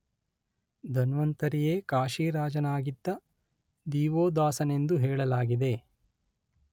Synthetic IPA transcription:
d̪ʱɐnʋɐnt̪ɐɾijeːkaːʃiːɾaːd͡ʒɐnaːɡid̪ːɐ | d̪iːʋoːd̪ʋaːsɐne̞nd̪uɦɛːɭɐlaːɡid̪e̞

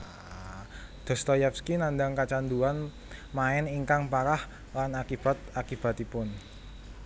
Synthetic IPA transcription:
d̪̥ɔ̤st̪ɔjɛpskinand̪aŋkat͡ʃand̪uan | maɛniŋkaŋpaɾah | lanakib̥a̤t̪̚akib̥a̤t̪ipʊn

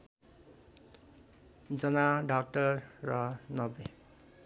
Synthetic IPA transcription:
d͡zʌnaɖak̚ʈʌrːʌnʌbe

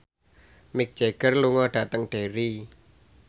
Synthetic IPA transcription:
mɪk̚d̥d͡ʒ̥eɡ̥ərluŋɔɖ̥a̤t̪əŋɖ̥eɾi

